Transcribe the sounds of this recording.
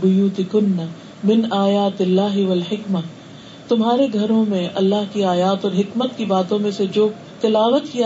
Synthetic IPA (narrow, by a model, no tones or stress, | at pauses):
bʊjuːt̪ɪkʊnːa | mɪnaːjaːt̪ɪlːaːɦɪʋɐlħɪkmɐ | t̪ʊmɦaːɾeɡʱɐɾõmẽʔɐlːaɦkiaːjaːt̪ɔːɾɦɪkmət̪kibaːt̪õmẽsed͡ʒoː | t̪ɪlaːʋət̪kia